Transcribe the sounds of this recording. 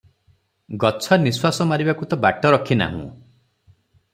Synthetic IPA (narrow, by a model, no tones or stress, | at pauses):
ɡɔt͡ʃʰɔniswasɔmaɾibakut̪ɔbaʈɔɾɔkʰina̰ɦṵ̃